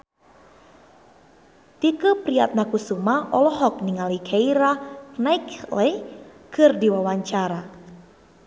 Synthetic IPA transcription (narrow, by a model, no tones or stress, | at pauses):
t̪ikəpɾia̰t̪̚nakusumaʔɔlɔɦɔk̚niŋalikʰaiɾanaiklekʰɨrdiwawaɲt͡ʃaɾa